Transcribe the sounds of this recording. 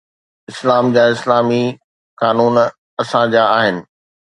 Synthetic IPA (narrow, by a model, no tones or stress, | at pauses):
ɪslaːmd͡ʑaːɪslaːmi | kaːnuːn | ɐsãd͡ʑaːaːɦɪnɪ̆